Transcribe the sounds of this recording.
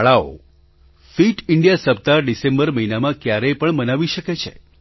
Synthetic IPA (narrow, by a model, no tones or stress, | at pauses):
ɭao̰ | fiʈɪɳɖijasəp̚t̪aɖisẽmbəɾməɦinamãkjaɾepəɳmənaʋiʃəket͡ʃʰḛ